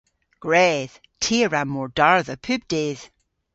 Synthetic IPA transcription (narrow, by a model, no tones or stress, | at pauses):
ɡ̥ɹɛð̥ | tʰiəɹammːɔɹdaɹðəpʰʉb̚deð̥